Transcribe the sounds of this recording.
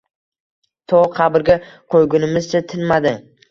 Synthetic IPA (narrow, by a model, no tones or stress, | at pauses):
t̪ʰɒqʰɑbɪɾɡʲaqʰojɡʲʊnɪmɪzt͡ʃʰat̪ʰɪnmad̪ɪ